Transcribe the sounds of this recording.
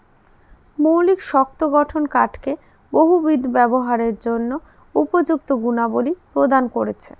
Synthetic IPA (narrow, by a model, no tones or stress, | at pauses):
mowlikʃɔk̚t̪oɡɔʈʰonkaʈke | boɦubid̪ʱbɛboɦaɾeɾd͡ʑonːo | upod͡ʑuk̚t̪oɡunabolipɾod̪ankoɾet͡ɕʰḛ